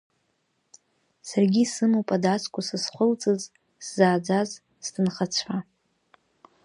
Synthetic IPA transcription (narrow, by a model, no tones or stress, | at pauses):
sarɡʲisɨmowpʼadat͡sʰʼkʷʰʼʊsɨsχʷʊlt͡sʼɨz | szaːd͡zʷaz | sdɨnχat͡sʷʰħa